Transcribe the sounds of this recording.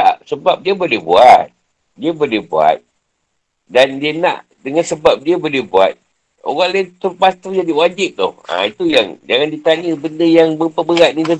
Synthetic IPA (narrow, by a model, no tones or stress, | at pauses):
aʔsəbap̚diabolɛhbṵat̪̚ | diabolɛhbua̰t̪̚ | dandiana̰ʔ | dəŋansəbap̚diabolɛhbua̰t̪̚ | o̰ɣaŋlat̪ərpast̪ud͡ʒadiwad͡ʒɪp̪̚t̪ʊ̰ha̰it̪ujaŋd͡ʒaŋandit̪aɲəbəndəjaŋbəpəbəɣat̪̚nidə